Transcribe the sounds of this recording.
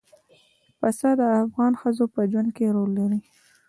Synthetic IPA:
pasɑd̪əafɣɑnxəzopəd͡ʒwand̪̚keɾolːaɾi

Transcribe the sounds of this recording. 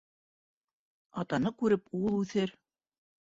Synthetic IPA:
ɑt̪ɑnɤkʉɾɘpulˠʉθɘɾ

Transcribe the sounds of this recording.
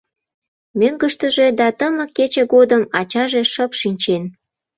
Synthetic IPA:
møŋɡəʃt̪əʒe̽d̪ɑt̪əmə̆kːet͡ɕeɣod̪əmɑt͡ɕɑʒe̽ʃəpʃinʲt͡ɕen

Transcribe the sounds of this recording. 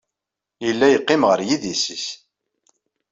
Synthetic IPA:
jəlːæjəqːɪmʁəɾjiðisis

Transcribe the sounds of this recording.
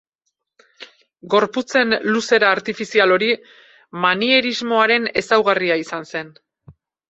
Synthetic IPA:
ɡo̞ɾput͡se̞nluse̞ɾaːɾt̪ifisialo̞ɾi | manie̞ɾizmo̞aɾe̞ne̞sawɣariaisanse̞n

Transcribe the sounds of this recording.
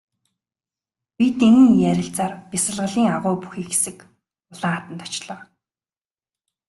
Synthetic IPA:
pʲit̪eŋɘ̆ŋjæɾʲɪ̆ɬt͡saːrpʲisə̆ɮʁə̆ɮiːŋaʁʊːpuxiːkxesɘ̆k | ʊɮaːat̪ə̆nt̪ḁt͡ɕɮɔː

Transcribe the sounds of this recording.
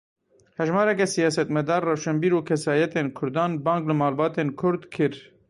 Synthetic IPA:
hɛʒmɑːɾɛkɛsijɑːsɛt̪mɛd̪ɑːɾrɛwʃɛmbiːɾuːkʰɛsɑːjɛt̪eːnkʰʊɾd̪ɑːnbɑ̃ːŋklɨmɑːlbɑːt̪eːnkʰʊɾd̪kʰɨɾ

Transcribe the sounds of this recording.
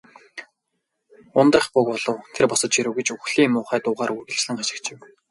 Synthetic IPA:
ʊnt̪rə̆χpʊkɔɮ̥ɞ̆wt̪ʰerpɔsɞ̆t̪t͡ɕiɾɘ̆wɡet͡ɕuxɮiːmːʊːχæːt̪ʊːʁaːɾurɣɘ̆ɮt͡ɕɮɘ̆ŋaʃɪ̥̆kt͡ɕɪ̆m

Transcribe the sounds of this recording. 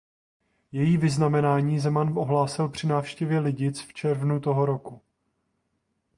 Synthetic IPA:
jɛjiːvɪznamɛnaːɲiːzɛmanʔo̞ɦlaːsɪlpr̝̥ɪnaːfʃcɛvjɛlɪɟɪt͡sft͡ʃɛɾvnut̪o̞ɦoɾo̞ku

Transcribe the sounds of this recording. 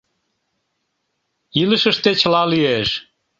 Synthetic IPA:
iləʃəʃt̪et͡ɕəlɑlyeʃ

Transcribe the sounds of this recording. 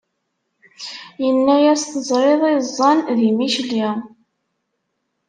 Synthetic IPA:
jənːæjæsθəzˤɾˤeðˤezˤːɑnðimiʃli

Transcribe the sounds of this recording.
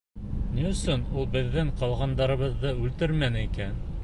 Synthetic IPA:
nʲjɵ̆sonulˠbɘ̆ðːɘŋqɑlˠʁɑnd̪ɑɾɤ̆βɤ̆ðːɤʉlt̪ɘɾmænɘikæn

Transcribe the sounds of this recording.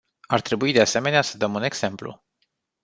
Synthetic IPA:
art̪ɾe̞buid̪ease̞me̞neasəd̪əmune̞ɡz̥e̞mplṵ

